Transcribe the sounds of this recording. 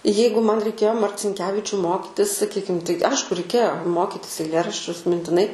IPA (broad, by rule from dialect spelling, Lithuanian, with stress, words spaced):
ˈjɛɪɡʊ ˈmɐn rʲɛɪˈkʲeːjoː mɐrʲt͡sʲɪŋʲˈkʲæːʋʲɪt͡ʃʲʊ ˈmoːkʲɪtʲɪs sɐˈkʲiːkʲɪm tɐɪ ˈɐɪʃkʊ rʲɛɪˈkʲeːjoː ˈmoːkʲɪtʲɪs ɛɪˈlʲeːrɐʃʲt͡ʃʲʊs mʲɪnʲtʲɪˈnɐɪ